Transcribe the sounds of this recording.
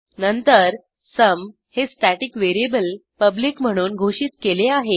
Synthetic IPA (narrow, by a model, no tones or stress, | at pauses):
nənt̪əɾ | səm | hesʈæʈikʋeɾiebəlpəbliːkm̤əɽ̃uːnɡʱoɕiːt̪keleaɦe